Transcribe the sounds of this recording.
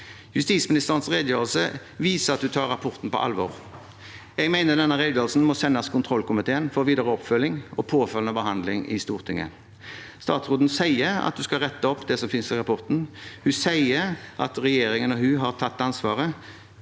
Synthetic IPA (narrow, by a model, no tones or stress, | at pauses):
jʉst̪iːt̪smɪnɪst̪əʁənsʁeːd̪jəjøːʁəlsə | ʋiːsəʁɑt̪̚d̪ʉt̪ʰɑːʁːɑpʰɔɾt̪n̩pɔ̰ʔɑ̰lʋɔ̰ːʁ | ɛɡmæɪnəd̪ɛnːəʁeːɡlɑlsn̩mɔsɛnːɑskʰʊnt̪ʰʁɔlkʊmɪt̪ʰeːənfɔʋiːd̪əʁəɔpfœlːɪŋɔpʰoːfœlnəbəɦɑnd̪lɪŋɪ̰st̪uːʁt̪ʰɪŋːə̰ | st̪ɑ̰ːt̪sʁuːd̪n̩sæɪəɾɑ̰t̪̚d̪ʉskɑʁɛt̪ːəɔpːd̪ɛsɔmfɪnsɪʁɑpɔʁt̪n̩hʉsæɪəɾʔɑ̰t̪ʁɛjeːɾɪŋənɔɦʉːɦɑʁt̪ʰɑt̪ːɑnsʋɑːʁə